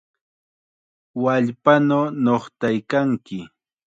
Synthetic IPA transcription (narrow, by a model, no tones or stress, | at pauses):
waʎpanonoχt̪ajkaŋkɪ